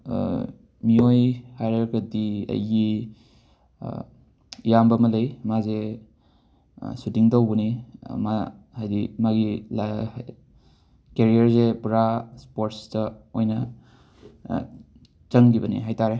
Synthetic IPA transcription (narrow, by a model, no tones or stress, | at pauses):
miojhajɾeɾɡɐdiɐ̰jɡi | jambɐmɐlejmaze | sutiŋtawbɐnima̰ | hajdimaɡila | keɾiɐɾzebɾaspoɾtsdɐojnɐ | zɐŋɡibɐnḭɦajtaɾe